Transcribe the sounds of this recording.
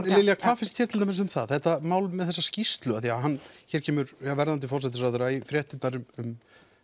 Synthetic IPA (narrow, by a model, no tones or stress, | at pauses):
lɪljakʰvaːðfɪnst̪çɛɾt̪ʰɪlt̪amɪs̬ʏmθaðθɛht̪amaːwlʏmːɛðθɛsːascist̪lʏaθiaɦanːçɛːɾcʰɛːmʏɾjavɛɾðant̪̬ɪfɔrsɛt̪ɪsɾaðʏɾaifɾjɛːht̪ɪt̪naɾʏmʏm